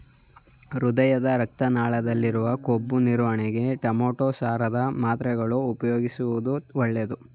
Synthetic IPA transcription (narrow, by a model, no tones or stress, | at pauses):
ɾud̪ɐjɐd̪ɐɾɐk̚t̪ɐnaːɭɐd̪ɐlːiɾuʋɐkobːuniɾʋɐɳɛɡe̞ʈɐmoːʈoːsaːɾɐd̪ɐmaːt̪ɾɛɡɐɭuːpɐjoːɡisuʋud̪uɔɭːed̪u